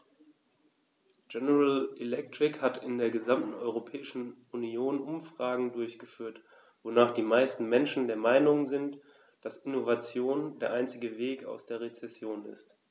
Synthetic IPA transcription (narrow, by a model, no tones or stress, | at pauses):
d͡ʒɛnəʁalɛlɛk̚tʁ̥ɪkhatʰɪndeːɐɡəzamtn̩ɔʏʁopʰɛːɪʃn̩ | unioːnʔʊmfʁ̥aːɡŋ̩dʊɐçɡ̥əfyːɐt | v̥onaːχd̥iːmaɪstn̩mɛnʃn̩deːɐmaɪnʊŋzɪnt | d̥asɪnovat͡sjoːndeːɐʔaɪnt͡sɪɡəveːka̰ʊsd̥eːɐʁ̞et͡sɛsjoːnɪ̰st